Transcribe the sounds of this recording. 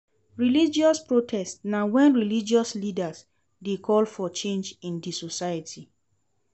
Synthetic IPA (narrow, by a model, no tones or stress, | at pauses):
ɹilid͡ʒiɔspɹotʰɛstnawɛ̃nɹilid͡ʒiɔslidas | dekʰɔlfɔt͡ʃẽnd͡ʒĩndisosajatʰi